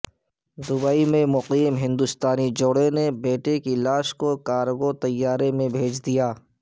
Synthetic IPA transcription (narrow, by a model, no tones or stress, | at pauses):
d̪ʊbaːimẽmʊqiːmɦɪ̃nd̪ʊst̪aːnid͡ʒoːɽenebeːʈekilaːʃkokaːɾɡot̪ɐjːaːɾemẽbʱeːd͡ʒd̪ijaː